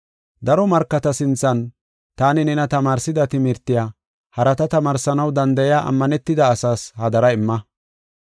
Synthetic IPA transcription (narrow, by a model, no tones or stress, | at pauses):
d̪ɐɾɔmɐɾkːɐt̪ɐsɪnt͡sːɐn | t̪aːnɪnɛnɐt̪ɐmaːɾsɪd̪ɐt̪ɪmɪɾt̪ːɪjaː | hɐɾɐt̪ɐt̪ɐmaːɾsɐnɐwd̪ɐnd̪ɐjaːʔɐ̰mːɐnɛt̪ːɪd̪ɐːsaːshɐd̪ɐɾɐɪmːɐ